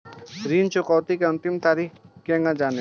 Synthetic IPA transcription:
ɾiːnt͡ʃʊkɔːt̪ikeɐ̃nt̪ɪmt̪aːɾiːkkẽːŋɡãd͡ʒaːne

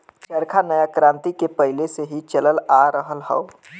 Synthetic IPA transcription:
t͡ʃəɾkʰanəjakɾãːnt̪ikepəɦileseɦit͡ʃələlaɾəɦəlɦə̰ʊ

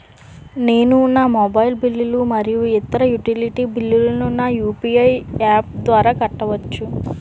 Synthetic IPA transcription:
ne̞ːnunaːmoːbɐjlbilːilumɐɾijuɛt̪ɐɾɐjuʈiliʈibilːilɐnunaːjuːpiɐjaːp̚d̪ʋaːɾaːkɐʈːɐʋɐt͡ʃːu

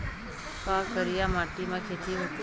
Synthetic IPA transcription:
kaːkəɾijamaːʈimãkʰet̪ʰiɦot̪i

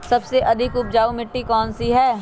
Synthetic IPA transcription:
sɐbseʔɐd̪ʱɪkʊp̚d͡ʒaːumɪʈːikɔːnsiɦɛː

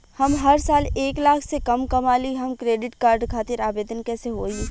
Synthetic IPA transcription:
hɐmɦɐɾsaːleːklaːkʰsekɐmkɐmaːliɦɐmkɾeːɖɪʈkaːɾɖkʰaːt̪ɪɾaːʋeːd̪ənkɛːseɦoːi

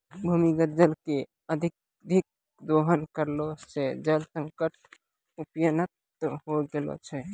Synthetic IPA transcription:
bʱumiɡət̪̚d͡ʒəlke | əd̪ʱik̚ | d̪ʱik̚ | d̪oɦənkəɾlot͡ʃed͡ʒəlsə̃ŋkəʈ̚ | upjənət̪ | ɦoɡelo̰t͡ʃʰɛ

